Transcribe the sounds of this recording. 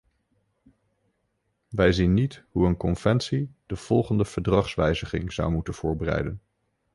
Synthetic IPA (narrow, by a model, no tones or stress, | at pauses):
ʋɛjzinːitɦuənkɔnv̥ɛntsid̥əv̥ɔlˠχəndəv̥əɹdrɑχsʋɛjzəχɪ̰ŋz̥ɑ̰wmutənv̥ʊːɹbərɛ̰jdən